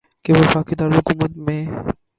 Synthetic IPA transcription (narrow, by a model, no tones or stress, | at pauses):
keʋɪfaːkid̪aːɾɦʊkuːmət̪mẽ